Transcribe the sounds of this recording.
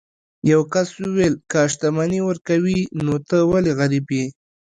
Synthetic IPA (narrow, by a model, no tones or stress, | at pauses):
jawkaswuwelkəaʃt̪amaniwəɾkawinot̪əwaleɣaɾibji